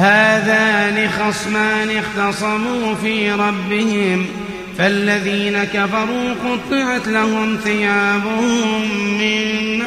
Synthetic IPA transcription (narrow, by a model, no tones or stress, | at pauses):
haːðaːnɪxɑsˤmaːnɪɣt̪ɑsˤɑbuːfiːɾˤɑbːɪhɪm | falːaðiːnakafɑɾˤuːqʊt̪ˤːɨʕat̪lahʊmθɪjaːbʊhhʊmːɪn